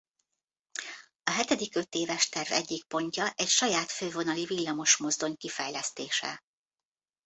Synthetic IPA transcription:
ɒɦɛt̪ɛd̪ikø̞t̪eːvɛʃt̪ɛrvɛɟːik̚po̞ɲcɒʔɛcʃɒjaːt̪føːvo̞nɒlivilːɒmo̞ʃmo̞zd̪o̞ɲkifɛjlɛst̪eːʃɛ̰

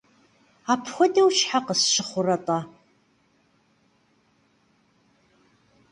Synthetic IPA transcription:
aːpʰxʷɔdɐwʃħaqəsʃɪχʷʊrɐtʼa

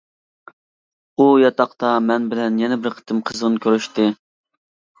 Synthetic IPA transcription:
ujɑt̪ɑqt̪ɑmɛnbɪlɛnjɛnɪbɪɾqʰə̥t̪ʰɨmqʰəzʁənkʲʰøɾyʃt̪ɪ

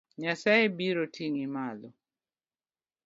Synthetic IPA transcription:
ɲasaebiɾotʰiŋimalɔ

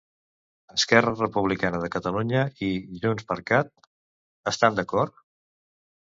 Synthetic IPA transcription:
əskɛrərəpuβ̞likanəð̞əkət̪əluɲəiʒunspəɾkat̪̚ | əst̪and̪əkɔɾt̪

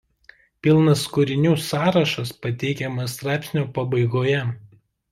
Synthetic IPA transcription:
pʲɪlˠnɐskʊɾʲɪnʲuːsɑːɾɐʃɐspɐt̪ʲɛɪkʲɛmɐst̪ɾɑˑɪpʲsʲnʲoːpɐbɐɪɡoːjɛ

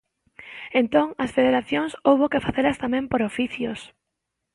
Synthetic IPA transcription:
ẽnt̪oŋɐsfeðeɾaθjoŋsowβokefaθeɾɐst̪amɛ̃mpoɾofiθjʊs

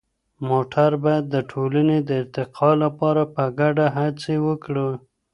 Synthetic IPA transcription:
moʈʰaɾbajad̪ːəʈʰolaned̪əɪɾt̪ɪqʰɑlapɑɾapəɡaɖaɦat͡sewəkɽə

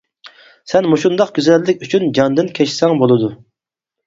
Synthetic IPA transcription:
sɛnmuʃund̪ɑqɡʲyzɛlːɪkʲyt͡ʃʰynd͡ʒɑnd̪ɪnkʲʰɛʃsɛŋbolˠɨd̪u

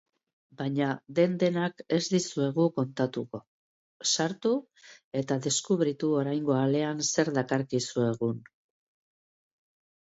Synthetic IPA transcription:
baɲaðe̞nd̪e̞nake̞zd̪isue̞ɣuko̞nt̪at̪uko̞ | saɾt̪u | e̞t̪aðe̞skuβɾit̪uo̞ɾajŋɡo̞ale̞anse̞ɾðakaɾkisue̞ɣun

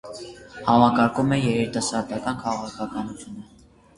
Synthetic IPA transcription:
hɑmɑkɑɾkumɛjɛɾit̪ɑsɑɾd̪ɑkɑnkʰɑʁɑkʰɑkɑnut͡sʰjunə

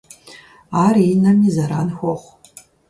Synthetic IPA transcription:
aːriːnɐmizɐɾaːnxʷɔχʷ

